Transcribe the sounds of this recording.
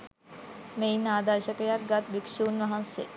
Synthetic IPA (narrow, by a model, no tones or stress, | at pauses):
mejnaːd̪aɾʃəkəjaɾɡat̪bikʃuːnʋɐɦansḛ